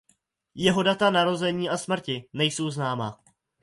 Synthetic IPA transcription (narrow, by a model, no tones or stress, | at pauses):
jɛɦo̞dat̪anaɾo̞zɛɲiːʔasmr̩cɪnɛjso̞wznaːma̰